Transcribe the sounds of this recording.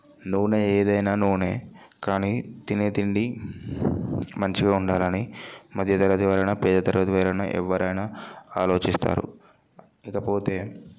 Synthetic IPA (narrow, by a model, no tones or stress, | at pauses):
nuʋneːeːd̪ɐjnaːnuːne̞ː | kaːniːt̪inet̪iɳɖi | mɐɲt͡ʃiɡaːuɳɖaːlɐnimɐd̪ʱjɐt̪ɐɾɐt̪iʋaːɾɐjnɐpɛːd̪ɐt̪ɐɾʋɐt̪iʋaːɾɐjnɐ̰ʔɛ̰ʋːɐɾɐjnɐaːlo̞ːt͡ʃist̪a̰ːɾṵ | ikɐpo̞ːt̪e̞ː